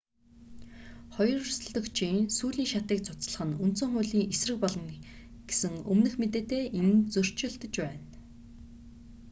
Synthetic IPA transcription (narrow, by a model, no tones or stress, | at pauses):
χɔjɞ̆rrs̆ɮt̪ɞ̆kt͡ɕʰiːnsuːɮiːŋʃat̪iːkt͡sʰʊ̥t͡sə̆ɮə̆χə̆nun̥t̪sɵ̆ŋχʊjɮiːŋesrɘ̆k̚pɔɮɞ̆ŋ | ɡ̥e̥sɘ̆ŋɵ̰mnɘ̆xmet̪̬eːt̪eːʔent͡sɵr̥t͡ɕɪ̆ɮt̪ə̆t͡ɕpæːn